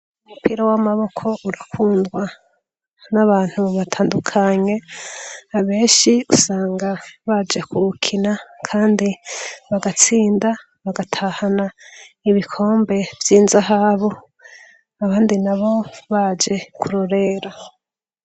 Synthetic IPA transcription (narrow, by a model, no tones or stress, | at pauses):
umupʰiːɾawamaβo̞kʰo̞ʔuɾakʰuːndɡwa | naβaːn̥huβatʰaːndukʰaɲe̞ | aβe̞ːnʃiusaːŋɡaβad͡ʒe̞kuukʰinakʰaːndiβaɡat͡siːnda | βaɡatʰahanaiβikʰo̞ːmbe̞vjiːnzaɦaβo | aβaːndinaβo̞βad͡ʒe̞kuɾoɾe̞ɾa